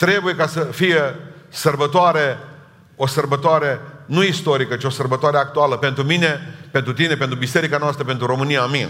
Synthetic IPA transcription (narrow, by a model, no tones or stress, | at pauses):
t̪ɾe̞buje̞kasəfijesərbət̪oaɾe̞ | o̞sərbət̪oaɾe̞nuist̪o̞ɾikət͡ʃio̞sərbət̪oaɾeak̚t̪ualəpe̞nt̪ɾumine̞pent̪ɾut̪ine̞pent̪ɾubise̞ɾikanoast̪ɾəpe̞nt̪ɾuɾo̞mɨnijaːmin